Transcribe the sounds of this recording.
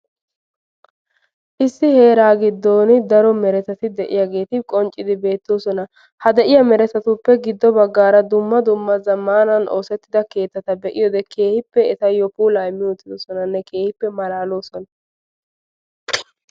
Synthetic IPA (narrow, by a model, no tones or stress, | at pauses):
ʔɪsːɪhe̞ːɾaːɡɪd̪ːoːnɪd̪ɐɾɔmɛɾɛt̪ɐt̪ɪd̪ɛʔɪ̰jaːɡe̞ːt̪ɪkʼɔnt͡ʃʼːɪd̪ɪbe̞ːt̪ːɔsɔnɐ | hɐd̪ɛʔɪjɐmɛɾɛt̪ɐt̪ʊpːɛɡɪd̪ːɔbɐɡːaːɾɐd̪ʊmːɐd̪ʊmːɐzɐmːaːnɐnʔo̰ːsɛt̪ːɪd̪ɐke̞ːt̪ːɐt̪ɐbɛʔɪjɔd̪ɛkʰe̞ːhɪpːɛɛt̪ɐjɔpuːlɐjmːɪjot̪ːɪd̪ɔsɔnɐnːɛkʰe̞ːhɪpːɛmɐlaːlo̞ːsɔnɐ